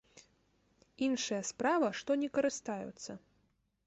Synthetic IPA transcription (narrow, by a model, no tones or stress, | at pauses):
inʂɨjɐspɾavɐʂt̪ɔnʲɛkɐɾɨst̪ajṵt̪sːɐ